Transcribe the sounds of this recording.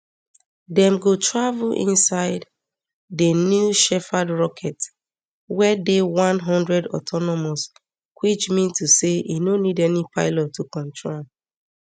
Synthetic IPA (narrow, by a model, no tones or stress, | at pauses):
dɛ̃mɡotʰɹavulʔḭ̃nsaɪd | denjuʃɛfadɹɔkʰɛt | wɛdewãnɦɔ̃ndɹɛdɔ̰tʰɔnɔmos | kwit͡ʃmĩntuseḭnonidɛnipʰaɪlɔtːukɔ̃ntʰɹa